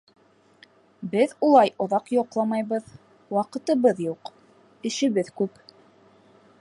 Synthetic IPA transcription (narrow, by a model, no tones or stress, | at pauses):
bɘðulˠɑjŏðɑqjoqlˠɑmɑjβɤð | wɑqɤ̆t̪ɤ̆βɤðjuq | ɘ̆ʃɘ̆βɘðkʉp